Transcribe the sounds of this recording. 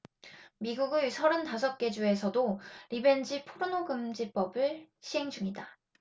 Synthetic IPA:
miɡuɡɯsʰʌɾɯntas̬ʰʌp̚k͈e̞d͡ʑue̞sʰʌdoɾibe̞nd͡ʑipʰoɾonoɡɯmd͡ʑip͈ʌbɯɭ | ɕʰiɦe̞ŋd͡ʑuŋida

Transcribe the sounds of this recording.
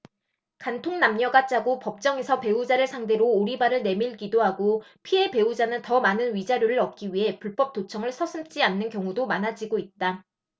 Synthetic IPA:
kantʰoŋnamɲʌɡat͡ɕ͈aɡopʌp̚t͡ɕ͈ʌŋe̞sʰʌpe̞ud͡ʑaɾɯɭsʰaŋde̞ɾoːɾibaɾɯɭne̞miɭkidoɦaɡo | pʰie̞pe̞ud͡ʑanɯntʌmanɯnɥid͡ʑaɾjoɾɯɾʌk̚k͈iɥiɦe̞puɭp͈ʌp̚t͈ot͡ɕʰʌŋɯɭsʰʌsʰɯmt͡ɕ͈ianːɯnkjʌŋudomanad͡ʑiɡoit̚t͈a

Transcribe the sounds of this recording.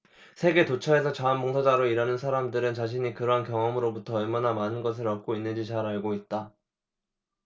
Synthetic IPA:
sʰe̞ɡe̞tot͡ɕʰʌe̞sʰʌt͡ɕaanboŋsʰʌd͡ʑaɾoiɾanɯnsʰaɾamdɯɾɯnt͡ɕaɕ̬ʰiɲikɯɾʌɦankjʌŋʌmɯɾobutʰʌʌɭmanamanɯnɡʌs̬ʰɯɾap̚k͈oinːɯnd͡ʑit͡ɕaɾaɭɡoit̚t͈a

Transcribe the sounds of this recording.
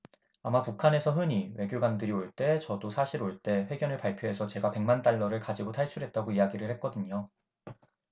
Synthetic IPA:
amapukʰane̞sʰʌɦɯɲiwe̞ɡjoɡandɯɾioɭt͈e̞t͡ɕʌdosʰaɕʰiɾoɭt͈e̞ɸwe̞ɡjʌnɯɭpaɭpʰjoɦe̞sʰʌt͡ɕe̞ɡape̞ŋmant͈aɭːʌɾɯɭkad͡ʑiɡotʰaɭt͡ɕʰuɾɦe̞t̚t͈aɡoijaɡiɾɯɭhe̞t̚k͈ʌdɯɲo

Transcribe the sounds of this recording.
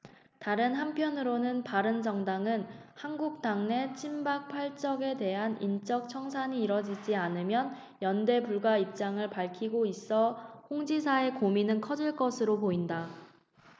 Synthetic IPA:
taɾɯnɦampʰjʌnɯɾonɯnpaɾɯnd͡ʑʌŋdaŋɯnhanɡuk̚t͈aŋne̞t͡ɕʰimbak̚pʰaɭt͡ɕ͈ʌɡe̞de̞ɦanint͡ɕ͈ʌk̚t͡ɕʰʌŋsʰaɲiːɾʌd͡ʑid͡ʑianɯmjʌn | jʌnde̞buɭɡwaip̚t͡ɕ͈aŋɯɭpaɭkʰiɡois͈ʌhoŋd͡ʑisʰae̞kominɯnkʰʌd͡ʑiɭk͈ʌsʰɯɾopoinda

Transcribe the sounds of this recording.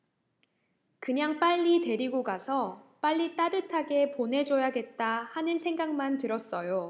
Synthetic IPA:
kɯɲaŋp͈aʎːite̞ɾiɡoɡasʰʌp͈aʎːit͈adɯtʰaɡe̞ponɦe̞d͡ʑojaɡe̞t̚t͈ahanɯnsʰe̞ŋɡaŋmantɯɾʌs͈ʌjo

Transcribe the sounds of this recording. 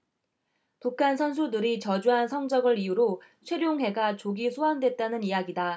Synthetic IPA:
pukʰansʰʌns̬ʰudɯɾit͡ɕʌd͡ʑuɦansʰʌŋd͡ʑʌɡɯɾijuɾo | ɕʰweɾjoŋɦe̞ɡat͡ɕoɡisʰoɦandwe̞t̚t͈anɯnijaɡida

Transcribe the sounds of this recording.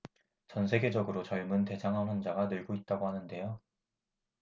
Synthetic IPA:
t͡ɕʌns̬ʰe̞ɡe̞d͡ʑʌɡɯɾot͡ɕʌɭmɯnte̞d͡ʑaŋɦanwʌnd͡ʑaɡanɯɭɡoit̚t͈aɡoɦanɯnde̞jo

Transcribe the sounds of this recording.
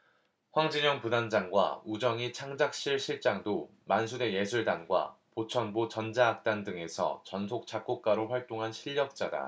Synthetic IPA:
ɸwaŋd͡ʑiɲʌŋpudand͡ʑaŋɡwa̰ud͡ʑʌŋit͡ɕʰaŋd͡ʑak̚ɕ͈iɭɕʰiɭt͡ɕ͈aŋdo | mansʰude̞je̞sʰuɭdanɡwa̰pot͡ɕʰʌnbot͡ɕʌnd͡ʑaak̚t͈andɯŋe̞sʰʌ̰t͡ɕʌnsʰok̚t͡ɕ͈ak͈ok̚k͈aɾoɸwaɭt͈oŋɦanɕʰiʎːʌk̚t͡ɕ͈ada̰

